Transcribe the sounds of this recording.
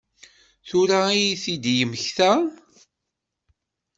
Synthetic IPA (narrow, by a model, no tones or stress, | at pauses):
θʊɾaijθid̪jəmçθæ